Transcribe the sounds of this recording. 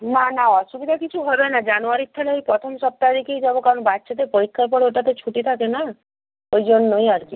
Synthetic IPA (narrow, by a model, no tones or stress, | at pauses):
nanaɔsubid̪ʱakit͡ʃʰuɦɔd̪ɔnad͡ʒanuaɾit̪ʰːalejpɾɔt̪ʰɔmsɔp̚t̪aɾikeid͡ʒɔbɔkaɾɔnbatːʃʰet̪epɔɾikʰːap̬ɔɽeeʈat̪et͡ʃʰuʈit̪ʰakena | kojd͡ʒɔnnɔiaɾki